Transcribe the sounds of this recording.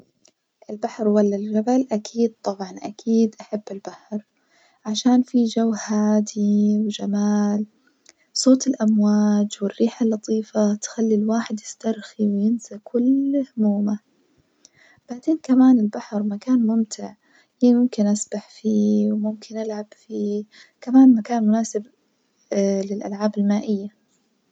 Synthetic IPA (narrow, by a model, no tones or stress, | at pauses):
ʔɪlbaħɾwalːald͡ʒabalʔakʰiːd̪̚t̪ˤɑbʕɑnʔa̰kʰiːd̪ʔaħabːɪlbaħɾ | ʕaʃaːnfid͡ʒawːhaːd̪iwd͡ʒamaːl | sˤoːt̪ɪlʔamwaːd͡ʒwɪrːiːħalːɑt̪ˤʰiːfat̪xalːilwaːħɪd̪jɪst̪ɑɾˤxiwjɪnsakʰʊlhʊmuːma | b̥aʕt̪eːnkamaːnɪlbaħɾˤmakaːnmʊmt̪ʰɪʕ | ʔeːmʊmkɪnʔasbaħfiːwmʊmkʰɪnʔɪlʕab̥fiː | kamaːnmakaːnmʊnaːsɪb | lɪlʔa̰lʕaːbɪlmaːʔɪjːa